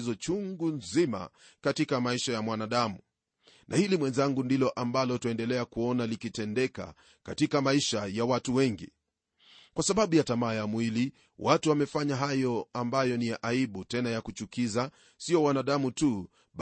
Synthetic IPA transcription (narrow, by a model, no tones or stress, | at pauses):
izɔt͡ʃuŋɡunzima̰ | katikamaiʃajamwanaɗamu | nʔahilimwɛnzaŋɡundilɔʔambalɔtaɛndɛlɛakuɔnalikitɛndɛka̰ | katikamaiʃajawatuwɛŋɡḭ | kwasaɓaɓujatamaːjamwili | wʔatuwamɛfaɲaɦajɔambajɔnijaʔaiɓutɛnajakut͡ʃukiza | sijɔwanaɗamutu | ɓ